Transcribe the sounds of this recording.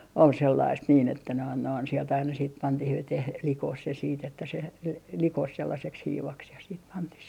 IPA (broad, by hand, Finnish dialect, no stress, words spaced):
ol selːɑist niːn etːæ noin noin sielt ɑinɑ siːt pɑntih ʋeteh likoh se siːt etːæ se l l likos selːɑseks hiːʋɑks jɑ siːt pɑntih